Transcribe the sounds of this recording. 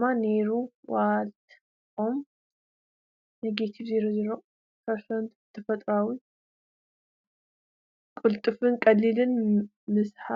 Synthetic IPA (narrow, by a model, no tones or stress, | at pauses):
mane̞ɾuwalt̪ʰ | om | nɐɡet̪ʰibzeɾozɨɾo | tʰɐɾsɐnt̪ɨt̪ʰːɨfɐt̪ʼɾawi | kʼɨlt̪ʼɨfɨnkʼɐlːilɨn | mɨsħa